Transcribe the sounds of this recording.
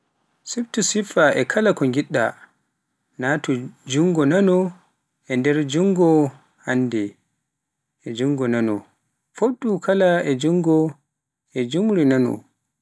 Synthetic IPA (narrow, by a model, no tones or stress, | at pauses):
siftusifaʔɛkʰalakɔŋɡiɗːa̰ | natɔd͡ʒuŋɡɔnanɔ | ʔɛndɛɾd͡ʒuŋɡɔ | hanːdɛ | ɛd͡ʒuŋɡɔnanɔ̰ | foɗːukʰalaɛd͡ʒuŋɡɔ | ɛd͡ʒumɾinanɔ̰